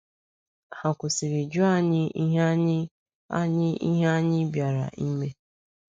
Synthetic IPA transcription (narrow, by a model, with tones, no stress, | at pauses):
ha˨kʷʊ˨si˨ɾi˨d͡ʒʊ˦a˦ɲɪ˦i˦ɦa˦ | a̰˦ɲɪ˦i˦ɦa˦ɲɪ˦bja˨ɾa̰˨ʔi˦me˦